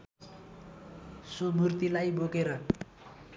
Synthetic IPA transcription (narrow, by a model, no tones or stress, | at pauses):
somurt̪ilajbʱokeɾʌ